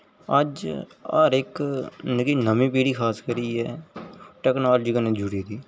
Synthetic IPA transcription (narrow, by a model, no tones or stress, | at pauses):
əd͡ʒə̰ːɾɪknəkiːnəmĩːpiːɽiːkʰaːskəɾiːɛːʈɛːknaːld͡ʒiːkənẽːd͡ʒuɽiːd̪iː